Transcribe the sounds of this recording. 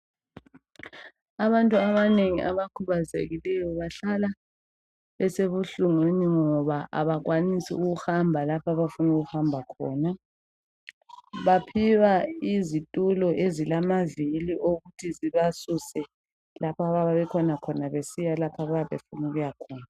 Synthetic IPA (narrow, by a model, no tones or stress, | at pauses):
aβantʼuaβaneŋiʔaβakʰuβazḛɣilɛjɔβaɬala | βɛseβuɬuŋweniŋɔβaʔa̰βaɣwanisḭuɣuhambʱalapʰaβafunuɣuhambʱakʰɔ̰ːna | βapʰiwaizitʼulɔʔezilamaviliʔoɣutʰiziβasusɛ | lapʰaβaβaβɛkʰɔnakʰɔnaβesijalapʰaβajaβḛfunuɣujakʰɔːna